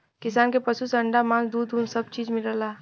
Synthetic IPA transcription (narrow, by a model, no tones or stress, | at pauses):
kɪsaːnkepəsusəɳɖamãzd̪uːd̪unsəb̚t͡ʃiːd͡ʒmɪləla